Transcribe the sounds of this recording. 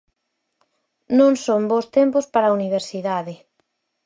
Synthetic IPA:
nõŋsombost̪empʊspaɾauniβ̞eɾsiðaðɪ

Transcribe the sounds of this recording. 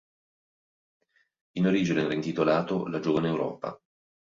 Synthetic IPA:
inoɾiːd͡ʒinereint̪it̪olaːt̪olad͡ʒoːvaneːwɾɔ̰ːpa̰

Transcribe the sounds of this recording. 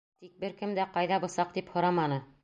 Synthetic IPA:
t̪ik̚bɘɾkɘmd̪æqɑjðɑbŏsɑq̚t̪iphŏɾɑmɑnɤ

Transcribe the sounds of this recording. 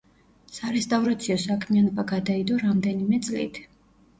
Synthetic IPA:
saɾɛst̪ʼavɾat̪sʰiɔsakʰmianɔbaɡad̪aid̪ɔɾamd̪ɛnimɛt̪sʼlḭt̪ʰ

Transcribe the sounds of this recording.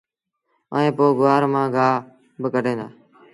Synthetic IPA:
ə̰ːẽːpoːɡʊʋaːɾmãːɡaː | bəkəɖʱẽːnd̪a̰ː

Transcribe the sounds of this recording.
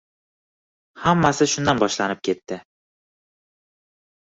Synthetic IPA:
hamːasɪʃʊnd̪anbɒʃlanɪp̚kʲʰe̞t̪ːɪ

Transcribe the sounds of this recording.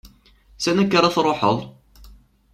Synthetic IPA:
sænækːaɾˤɑθɾˤoħə̰ðˤ

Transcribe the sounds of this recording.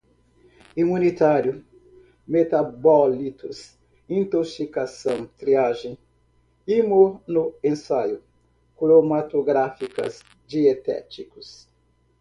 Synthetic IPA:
imunit̪aɾjʊ | met̪abɔlit̪ʊs | ĩnt̪oksikasɐ̃w̃t̪ɾiaʒẽ | imonʊẽnsajʊ | kulomat̪oɡɾafikɐ̰s | d͡ʒiet̪ɛ̰t͡ʃikʊs

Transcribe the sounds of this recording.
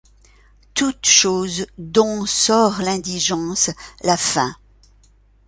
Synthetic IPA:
t̪ut̪ʃoːzd̪ɔ̃sɔʁlɛ̃d̪iʒɑ̃slafɛ̃

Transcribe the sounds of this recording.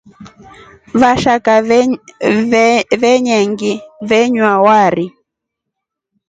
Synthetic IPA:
βaʃaka | βɛɲɛŋɡiβɛɲwawaɾi

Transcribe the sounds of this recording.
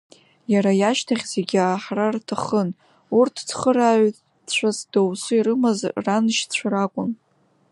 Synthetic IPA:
jaɾajaʃtʰaχʲze̞ɡʲaːħrartʰaχən | urtʰd͡zχəɾaɥ | t͡ɕʷʰasd̥owsuiɾɨmazranɨʃt͡ɕʷʰaɾakʷʼʊn

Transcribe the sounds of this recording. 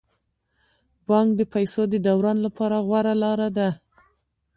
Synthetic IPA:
bɑŋkd̪əpajsod̪əd̪awɾɑnlapʰɑɾaɣwaɾalɑɾad̪a

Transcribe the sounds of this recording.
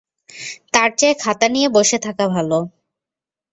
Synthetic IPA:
t̪aɾt͡ɕaekʰat̪anijeboʃet̪ʰakabʱalo

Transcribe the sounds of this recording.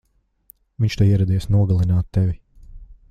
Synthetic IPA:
viɲʲt͡ʃt̪uiɛɾɛd̪ijsnuɔɡalˠinaːt̪ːɛvi

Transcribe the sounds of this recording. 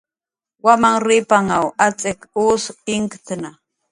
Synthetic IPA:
wamaŋɾɪpaŋawat͡sʼekusɪŋkt̪na

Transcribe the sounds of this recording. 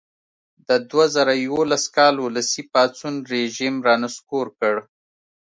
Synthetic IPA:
d̪əd̪wazəɾajwolaskɑluləsipɑt͡sunɾeʒimɾɑnaskoɾkəɽ

